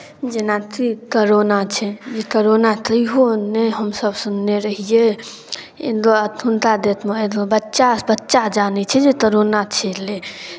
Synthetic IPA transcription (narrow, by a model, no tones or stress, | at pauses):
d͡ʒenat̪ʰikəɾonat͡ʃʰɛd͡ʒekəɾonat̪əɦoneɦəmsəbsunːeɾəɦije | ḛnd̪oət̪ʰunt̪ad̪et̪meed̪obətːʃabətːʃad͡ʒanɛt͡ʃʰɛd͡ʒekəɾonat͡ʃʰele